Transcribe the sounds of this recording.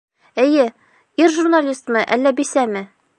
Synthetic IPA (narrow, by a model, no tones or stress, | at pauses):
ɘ̆jɘ | iɾʒurnalʲist̪mɤʔæ̰lːæbisæmɘ